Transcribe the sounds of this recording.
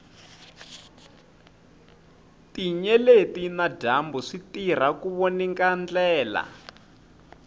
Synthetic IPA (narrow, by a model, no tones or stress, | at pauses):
tiɲɛletinadambuʂitir̤akuβoniŋkand͡ɮɛːla̰